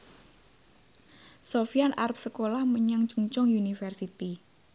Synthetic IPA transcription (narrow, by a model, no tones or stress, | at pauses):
sofianʔarp̚səkolahməɲaŋt͡ʃuŋt͡ʃʊŋjunifərsit̪i